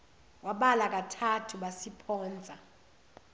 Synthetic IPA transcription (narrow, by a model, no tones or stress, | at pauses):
waɓalak̬ʼatʰatʰuɓasipʰɔːnd͡zʱa